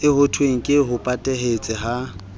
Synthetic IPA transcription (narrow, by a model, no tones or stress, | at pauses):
ɪhʊtʰweŋ̩kʼɪɦʊpʼatʼɛɦet͡sʼɪɦa